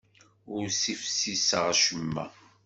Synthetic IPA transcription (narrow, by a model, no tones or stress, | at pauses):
ʊɾsifsisəʁaʃəmːæ̰